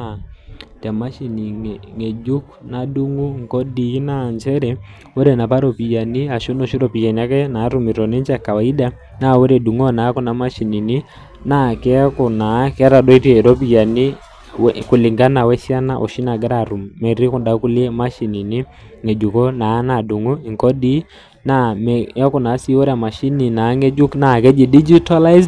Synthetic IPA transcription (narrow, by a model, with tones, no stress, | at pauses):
atɛ˨ma˦ʃi˨ni˨ŋ˨ŋɛ˨d͡ʒu˦kna˨du˦ŋɡu˦ŋ˨kɔ˦diː˨˦naɲd͡ʒɛ˦ɾɛ | wɛ˦ɾɛ˨na˨pa˦ɾɔ˨pi˨ja˨ni˦a˨ʃo˦nɔ˨ʃi˦ɾɔpi˨ja˨na˦kɛ˦na˦ɾu˨mi˨ɾɔ˨nɛ˦ɲt͡ʃa˨ka˨wa˨i˦da˦ | na˦wɛ˦ɾɛ˨ɗu˨ŋɔ˦na˨˦kɔ˦na˨ma˦ʃi˨ni˨ni˦ | na˦kɛ˦kʊ˨na˨˦kɛ˦ɾa˨dɔ˦i˦ɾɛ˨ɾɔ˦p̬i˨ja˨ni˦ | wkʊ˨lɪ˨ŋɡa˦na˨wɛ˦sja˦na˦ʔɔ̰˨ʃi˦na˨ɡɛ˦ɾa˨ɾu˨mːɛ˨ɾi˦kʊ˨nda˨ku˦lɛ˦ma˦ʃi˨ni˨nɪ˦ | ŋɛ˨d͡ʒu˨kɔ˦na˨˦na˨du˨ŋo˦i˨ŋkɔ˦di˦ | na˦˨mɛ˦kʊ˨na˨˦si˦wɔ˦ɾa˨ma˨ʃi˦ni˨na˨˦ŋɛ˦d͡ʒʊ˦kna˨kɛ˦d͡ʒi˨di˦d͡ʒi˦ta˦la˦izd